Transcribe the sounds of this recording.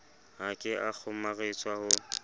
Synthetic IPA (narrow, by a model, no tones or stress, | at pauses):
hakʼɪʔak͡xʰʊmaɣɪt͡sʼwahʊ